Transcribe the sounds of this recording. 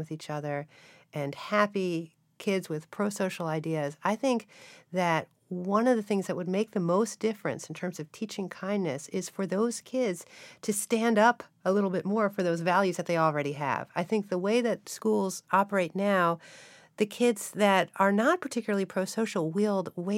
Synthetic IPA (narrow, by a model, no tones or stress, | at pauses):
wɨðit͡ʃʌðə˞ | ʔɨ̃nhæpi | kʰɪdzwɨð̥pʰɹ̥oʊsoʊʃl̩ˠaɪdiɨzaɪθɪ̃ŋk̚ðɨt̚ | wʌ̃nʌvðɨθɪ̃ŋzðɨʔ̚wəd̚meɪk̚ðɨmoʊsd̥ɪfɹɨ̰̃nsn̩tʰɜ̃˞mzʌv̥tʰit͡ʃɪ̃ŋkʰãɪ̃nːɨsɪz̥fə˞ðoʊz̥kʰɪdz̥tʰɨstæ̃ndʌpəlɪɾl̩ˠbɪt̚mɔɹfə˞ðoʊzvælˠjʉzðɨt̪̚ðeɪl̩ˠɹɛɾiɨ̰v̥aɪθɪ̃ŋk̚ðəweɪðɨt̚skulˠzɑpə˞eɪtⁿnaʊ | ðɨkʰɪdz̥ðɨɾə˞nət̚pʰə̥˞tʰɪkjl̩ˠəl̩ˠipʰɹ̥oʊsoʊʃl̩ˠwilˠd̚we